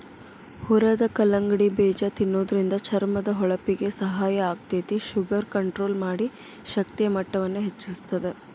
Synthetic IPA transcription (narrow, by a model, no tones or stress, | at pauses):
huɾɐd̪ɐkɐlɐŋɡɐɽibɛːd͡ʒɐt̪inːoːd̪ɐɾind̪ɐt͡ʃʰɐɾmɐd̪ɐɦɔɭɐpiɡe̞sɐɦaːjɐːɡ̚d̪et̪iʃuɡɐɾkɐɳʈɾo̞ːlmaːɽi | ʃɐk̚t̪ijɐmɐʈːɐʋɐnːuɦet͡ʃːust̪ɐd̪e